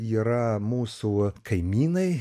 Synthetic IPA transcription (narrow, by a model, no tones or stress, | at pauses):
iːɾɐmuːsukʰɐɪmʲiːnɐɪ